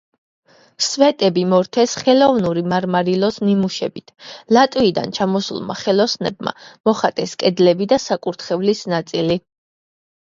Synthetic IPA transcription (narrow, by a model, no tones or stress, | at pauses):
svɛt̪ʼɛbimɔɾt̪ʰɛsχɛlɔvnuɾimaɾmaɾilˠɔsnimuʃɛbit̪ʰlat̪ʼviid̪a̰nt͡ʃʰamɔsṵlˠma̰χɛlˠɔsnɛ̰bma̰mɔχat̪ʼɛskʼɛd̪lɛbid̪asakʼuɾt̪ʰχɛvlisnat̪sʼili